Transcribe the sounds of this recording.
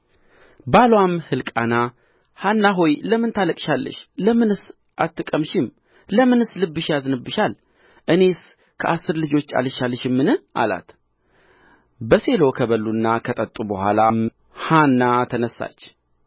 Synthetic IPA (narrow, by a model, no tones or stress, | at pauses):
balwamhɨlkʼana | hanːaɦo̞jləmɨnt̪ʰaləkʼʃalːə̰ʃləmɨnɨs | ʔat̪ːɨkʼəmʃɪm | ləmɨnɨslɨbːɨʃjazɨnɨbːɨʃal | ʔɨne̞s | kʰəʔasːɨɾlɨd͡ʒo̞t͡ʃːa̰lɨʃalːəʃɪmːɨnɨʔa̰la̰t̪ | bəse̞lo̞kʰəβəlːunːakʰət̪ʼət̪ʼubəhʷa̰lam | hanːat̪ʰənəsːa̰t͡ʃː